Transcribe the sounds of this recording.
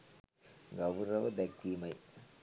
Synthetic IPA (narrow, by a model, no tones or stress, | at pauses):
ɡɐʋɾɐʋɐd̪ɐkːimɐɪ